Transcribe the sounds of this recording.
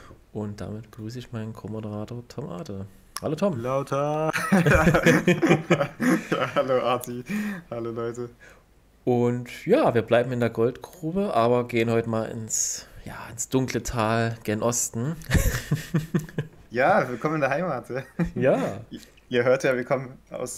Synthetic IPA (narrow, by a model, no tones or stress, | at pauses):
ʔʊnt̚d̥a̰ːmɪt̚b̥əɡʁyːsəɪçmaɪnkʰomodəʁaːtʰoːɐtʰɔmʔa̰ːtə | haloːtʰɔmlaʊtʰɐ | jahaloːʔatihaloːlɔʏtə | ʔʊntjaːviːɐblaɪbm̩ɪndeːɐɡɔltɡ̥ʁuːbəʔaːβɐɡeːənhɔʏtəmaːlɪ̰nsja̰ːɪnsd̥ʊŋklətʰaːlɡ̥enʔɔstn̩ | jaːvɪlkɔmənɪndeɐɦaɪmaːtjaːjaː | ʔiːɐɦøːɐtjaːviɐkʰɔmənʔa̰ʊs